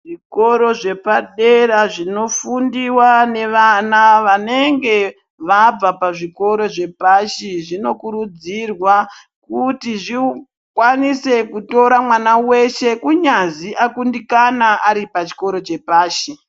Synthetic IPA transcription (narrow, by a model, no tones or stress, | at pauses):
ʐiko̞ɾo̞ʐe̞paɗeɾaʐino̞fundiwane̞ʋanaʋane̞ŋɡe̞ | ʋab͡vapaʐiko̞ɾo̞ʐe̞paʃiʐino̞kuɾud͡zirwa | kutiʐi | kwanise̞kuto̞ɾamwanawe̞ʃe̞kuɲaziʔakundikanaʔaɾipat͡ʃi̥ko̞ɾo̞t͡ʃe̞paːʃi